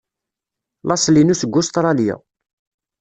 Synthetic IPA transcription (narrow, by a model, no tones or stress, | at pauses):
lɑsˤlinusəɡːʊst̪ɾˤɑlja̰